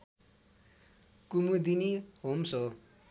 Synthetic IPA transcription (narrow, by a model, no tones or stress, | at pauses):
kumud̪iniɦomso